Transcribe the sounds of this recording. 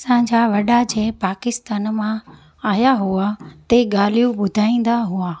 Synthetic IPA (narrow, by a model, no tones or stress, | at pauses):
sãd͡ʑaʋɐɗad͡ʑeːpaːkɪst̪aːnmã | aːjaɦuat̪eɠaːlijũɓʊd̪ʱaːĩːn̆d̪aɦuaː